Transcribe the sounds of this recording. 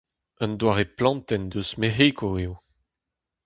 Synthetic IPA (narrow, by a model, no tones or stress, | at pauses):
ə̃nd̪waːʁeplɑ̃nt̪ɛnd̪øsmeɦekʰoeːw